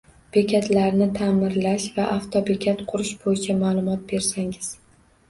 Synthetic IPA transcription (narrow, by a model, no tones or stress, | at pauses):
b̥e̞kʲʰat̪ʰlaɾnɪt̪ʰaːmɪɾlaʃvaʔaft̪ʰɒbe̞kʲat̪qʰʊɾʊʃb̥ojɪt͡ʃʰamaːlˠʊmɒt̪̚be̞ɾsaŋɪz̥